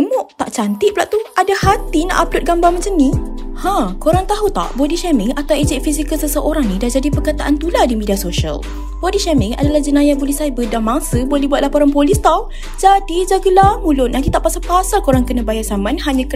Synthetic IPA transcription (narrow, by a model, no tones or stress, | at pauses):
mʊʔt̪aʔt͡ʃant̪iʔplaʔt̪uʔadahat̪ina̰ʔaplʊt̪̚ɡambaməɲt͡ʃamnihãkoɾaŋt̪aɦut̪a̰ʔbodiʃɛmɪŋat̪awed͡ʒɛʔ̚fisikəlsəsəʔoɾaŋnidad͡ʒadipərkat̪aʔant̪uladimidiasoʃə̰l | bodiʃɛmɪŋa̰dalahd͡ʒənãjabolisajabədamaŋsəbolɛbuwat̪̚lapoɾaŋpolist̪ɔw | d͡ʒadid͡ʒaɡəlamũlʊt̪̚nant̪it̪aʔpasalpasalkoɾaŋkənãbajasamãnhaɲãk